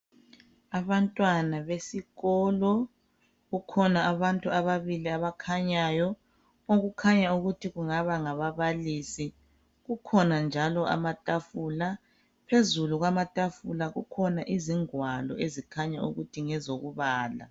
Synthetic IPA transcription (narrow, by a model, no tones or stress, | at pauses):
aβantʼwanaβesiɣɔːlɔ | ɣukʰɔnaaβantʼuaβaβiliaβakʰaɲaːjɔ | oɣukʰaɲauɣutʰiɣuŋaβaŋaβaβalisi | ɣukʰɔnand͡ʒʱalɔʔa̰matʼafuːla | pʰezuluɣwamatʼafulaɣṵkʰɔnaʔiziŋwalɔ̰ezikʰaɲaṵɣutʰiŋɛzoɣuβaːla̰